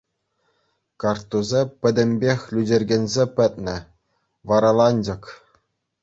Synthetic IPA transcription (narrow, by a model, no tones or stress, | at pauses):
kɑrt̪ːuzʲepʲɘ̆d̪ʲɘ̆mʲbʲexʲlʲydʲerʲɡʲĕnʲzʲepʲɘ̆t̪̚ʲnʲɘ̆ | ʋɑɾɑlˠɑnʲd͡ʑɤ̆k